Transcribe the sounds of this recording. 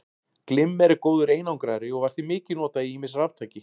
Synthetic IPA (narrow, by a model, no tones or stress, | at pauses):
klɪmːɛɾɪkoːwðʏɾeːjnawŋkɾajɾɪɔɣvaɾ̥θimɪːcɪnɔːt̪aiiːmɪsravt̪ʰaːjcɪ